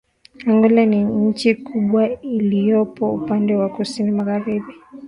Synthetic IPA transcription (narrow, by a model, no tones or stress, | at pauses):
haŋɡulaniɲ̩t͡ʃikuɓwailijɔpɔupandɛwakusinimaɣaɾiɓi